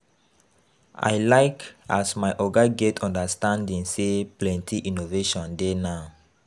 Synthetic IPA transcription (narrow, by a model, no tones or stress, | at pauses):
ʔa̰jlaɪkasmajʔɔɡaɡetʰɔ̃ndəstãndĩŋseplɛ̃ntʰiʔĩnoveʃɔ̃ndenaʊ